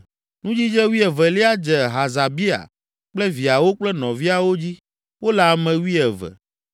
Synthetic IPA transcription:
nũ˦d͡ʑi˦d͡ʒɛ˦wi˦ɛ˨vɛ˨li˦a˦d͡ʒɛ˨ɦa˨za˨bi˦a̰˨ | k͡plɛ˦vi˨a˨wo˦k͡plɛ˦nɔ̃˨vi˦a˨wo˦d͡ʑi˦ | wo˦la˨mɛ̃˨wi˦ɛ˨vɛ̰˨

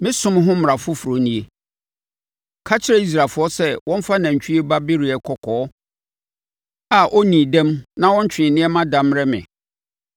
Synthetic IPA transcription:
mɪ̃˦sʊ̃˦m˦ɦʊ̃˦m˨ɾa˨fʊ˦fu˨ɾo˨nĩ˦e˦ | kʰa˦t͡ɕʰɪ˦ɾɛ˦i˦s̬ɾaː˨fʊ˦ɔ˦sɛ˦wɔ̃˦m˦fa˦nã˨ɲ˨t͡ɕʰᶣi˦e˦ba˦bɪ˦ɾi˨ɛ˨kʰɔ˨kʰɔː˨˦ | a˨ʔɔ˦nĩː˨dɛ̃˦mnã˦wɔ̃˦ɲ˦t͡ɕᶣɪ̃˨nɪ̃˦ɛ˦mã˦dã˨m˦ɾɛ˦mɪ̰̃˨

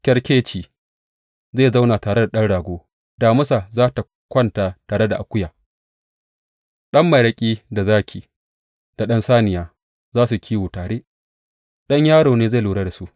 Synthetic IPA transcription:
kʲɐ˦ɽkʲeː˦t͡ʃiː˨ | zeː˦˨za˦wnaː˨taː˨ɽe˦da˨ɗɐ˦nɽaː˨ɡʷoː˦ | daː˨mʊ˦sa˨zaː˦ta˨ | kʷɐ˦ntaː˨taː˨ɽe˦da˨ʔa˨kʷʊ˦jaː˨ | ɗɐ˦mːa˨ɾɐ˦kʲʼiː˦da˨zaː˦kʲʰiː˨ | d̥a˨ɗɐ˦nsaː˦nɪ˨jaː˦ | zaː˦su˨kʲʰiː˦wuː˨taː˨ɽeː˦ | ɗɐ˦ɲjaː˦ɽoː˨neː˦ze˦˨luː˨ɽaː˦da˨su˦ʔ

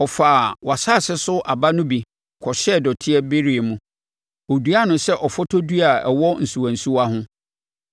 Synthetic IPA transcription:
ɔ˨faː˨wa˨sa˦˨sɪ˦sʊ˦ʔa˨ba˦nʊ̃˦bi˨ | kʰɔ˨ɕɛ˦˨dɔ˨tʰɪ˦ɛ˦be˦ɾi˨e˨mũ˦ | o˨du˦a˦nʊ̃˨sɛ˦ʔɔ˨fɔ˦tʰɔ˦du˦a˨ɛ˨wɔ˦n̩˨su˨ã˨n̩˨su˦a˦ɦʊ̃˦

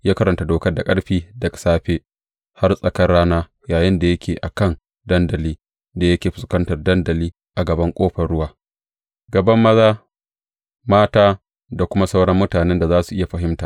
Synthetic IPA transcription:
jaː˦kɐ˦ɾɐ˨nta˨doː˨kɐ˦rda˨kʼɐ˦ɽɸiː˦dɐ˨ksaː˦ɸeː˦ | ha˦rsʼɐ˨kɐ˦rɽaː˦naː˦ | jaː˨jɪ˦nda˨jɐ˦kʲʰeː˨ʔa˨kɐ˦˨n | dɐ˦ndɐ˨liː˦ | da˨jɐ˦kʲeː˨ɸɪ˨skɐ˦ntɐ˨rdɐ˦ndɐ˨liː˦ | ʔa˨ɡɐ˨bɐ˦ŋkʷʼoː˦ɸɐ˨rɽʊ˦waː˦ | ɡɐ˨bɐ˦mːɐ˦zaː˦ | maː˦taː˦ | da˨kʷʊ˦ma˦sa˦wɽɐ˦mːʊ˦taː˨nɛ˦nda˨zaː˦su˨ʔɪ˦ja˨ɸɐ˨˦ɦɪ˦mtaː˨

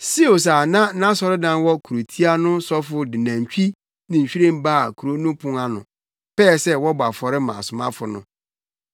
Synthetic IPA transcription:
si˦o˨s̬aː˨nã˦nã˦sɔ˨ɾɪ˦dã˦n˦wɔ˦kʰu˨ɾo˨tʰi˦a˦nʊ̃˦sɔ˦fʊ˨dɪ˨nã˨ɲ˨t͡ɕᶣi˦ | nɪ̃˨ɲ̩˨ɕᶣi˦ɾẽ˦m˦baː˦˨kʰu˨ɾo˦nũ˦pʰʊ̃˨ŋa˦nʊ̰̃˨ | pɛ˦˨sɛ˦wɔ˦ba˨fɔ˨ɾɪ˦mã̰˨sʊ˨mã̰˦fʊ˨nʊ̰̃˦

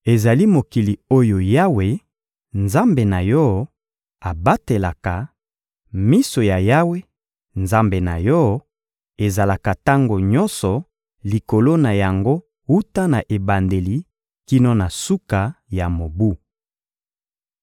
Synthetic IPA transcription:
e˨za˨li˦mo˨ki˨li˨o˦jo˨ja˦we˨ | nza˦mbe˨na˨jɔ˦ | a˨ba˦te˨la˨ka˨ | mi˦so˨ja˨ja˦we˦ | nza˦mbe˨na̰˨jɔ˦ | e˨za˨la˨ka˨ta˦ŋɡo˨ɲɔ˦nsɔ˨ | li˨ko˨lo˦na˨ja˨ŋɡo˦ | u˦ta˦na˨ʔe˨ba˨nde˨li˨ | ki˦no˦na˨su˦ka˨ja˨mo˨bu˦

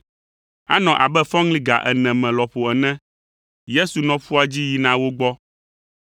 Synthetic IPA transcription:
a̰˦nɔ̃˨ʔa˨bɛ˦fɔ̃˦ŋlĩ˦ɡa̰˨ʔɛ̰˨nɛ̃˨mɛ̃˨lɔ˨ɸo˨ɛ˨nɛ̃˦ | je˦su˨nɔ̃˨ɸu˦a˨d͡ʑi˦ji˨nã˦wo˦ɡ͡bɔ˦

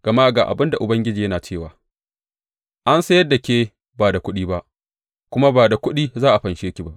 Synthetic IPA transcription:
ɡ̥ɐ˨ma˦ʔɡaː˨ʔa̰˨bɪ˦nda˨ʔʊ˨bɐ˦ŋɡʲɪ˦d͡ʒiː˨jɐ˦naː˨t͡ʃeː˦˨waː˨ | ʔa˦nsɐ˦jɐ˦dːa˨kʲeː˦ | baː˨da˨kʷʊ˦ɗiː˦ba˦ʔ | kʷʊ˦ma˦baː˨da˨kʷʊ˦ɗiː˦zaː˦ʔa˨ɸɐ˨nʃeː˦kʲi˨ba˦ʔ

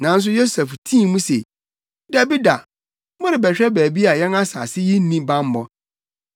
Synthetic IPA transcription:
nã˨n̩˦s̬ʊ˦jo˦sɛ˨ftʰĩː˦˨mũ˦se˨ | da˦bi˦da˨ | mʊ̃˦ɾɪ˨bɛ˨ɕᶣɛ˦bæː˨bi˦a˨jɛ˦na˦sa̰ː˨sɪ˦ji˦n̩˦nĩ˦bã˦m˦mɔ˦

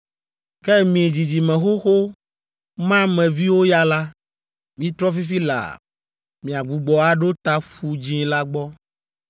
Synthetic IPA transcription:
kɛ˦mĩ˨d͡ʑi˨d͡ʑi˨mɛ̃˨xo˦xo˦ | mã˦mɛ̃˨vi˦wo˦ja˦la˦ | mĩ˦t̪ɾɔ˦fi˦fi˦la̰˨ | mĩ˨a˨ɡ͡bu˨ɡ͡bɔ˨a˦ɖo˦t̪a˦ɸu˦d͡ʑĩ˦la˦ɡ͡bɔ˦

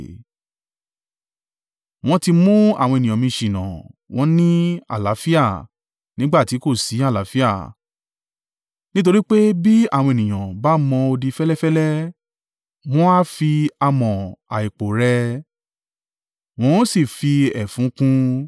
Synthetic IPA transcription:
w̃ɔ̃˧ti˧mũ˦a̰˦˨w̃ɔ̃˧e˨nĩ˨ã˨mĩ˧ʃĩ˨nã̰˨w̃ɔ̃˨˦nĩ˦a̰˨la˨˦fi˦a˦˨ | nĩ˦ɡ͡ba˦˨ti˨˦ko˦˨si˨˦a˦˨la˨˦fi˦a˦˨ | nĩ˦t̬o˧ɾi˦k͡pe˦bi˦a̰˦˨wɔ̃˧e˨nĩ˨j̃ã˨ba˨˦mɔ̃˧o˧di˧fɛ˦lɛ˦fɛ˦lɛ˦ | w̃ɔ̃˦a˦fi˧a˧mɔ̃˨a˨i˨k͡po˨ɾɛ˧ | w̃ɔ̃˨˦si˦˨fi˧ɛ˨fũ˨˦kũ˦

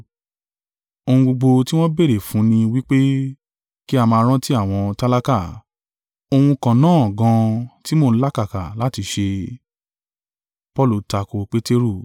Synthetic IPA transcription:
o˧hũ˧ɡ͡bo˧ɡ͡bo˧ti˦w̃ɔ̃˦be˦˨ɾe˨fũ˨˦nĩ˧wi˦k͡pe˦ | ki˦a˧mãː˧˦ɾ̃ɔ̃˦ti˦a˦˨w̃ɔ̃˧ta˦la˦ka˦˨ | o˧hũ˧kã˨nãː˦˨ɡã˧ti˦mo˦˧n̩˦la˦ka˦˨ka̰˨la˨˦ti˧ʃe˧ | pɔ˦˨lu˨ta˧ko˧k͡pe˦te˦ɾu˦˨

